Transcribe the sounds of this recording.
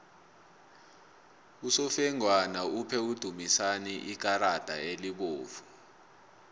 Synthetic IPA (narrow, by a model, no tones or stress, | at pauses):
usɔfɛŋwanaupʰɛud̥ʱumisaniʔik̬aɾad̥ʱa̰eliɓoːfu̥